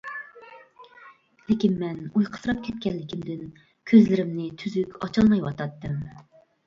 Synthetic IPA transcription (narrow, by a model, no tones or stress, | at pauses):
lɪkʲinmɛnujqʰə̥sɨɾɑp̚kʲʰɛt̪̚kʲɛnlːɪkʲʰimd̪ɪn | kʲʰøzlɪɾɪmnɪt̪ʰyzykʲɑt͡ʃʰɑlˠmɑjwɑt̪ʰɑt̪ːɨm